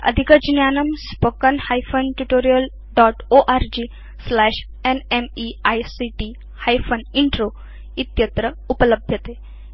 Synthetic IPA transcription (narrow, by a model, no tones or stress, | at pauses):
ɐ̰d̪ʱikəd͡ʑnjanɐmspokənhajfʰənʈuʈoːɾijəl | ɖɔʈoʔaɾd͡ʑi | slɛʂ | enemiajsiʈi | hajfʰəniɳʈɾo | it̪jət̪ɾə | upələbʱjət̪e